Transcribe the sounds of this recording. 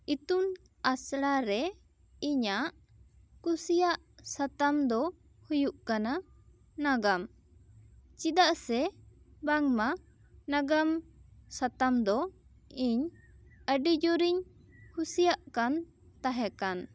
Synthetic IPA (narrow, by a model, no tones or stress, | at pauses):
it̪un | asɽaɾɛ | iɲaʔ | kusijaʔ | sat̪amd̪ɔ | hujuʔkana | naɡam | t͡ʃid̪aʔsɛ | baŋma | naɡamsat̪amd̪ɔ | iɲəɖid͡ʒɔɾiɲhusijaʔkan | t̪aɦɛkan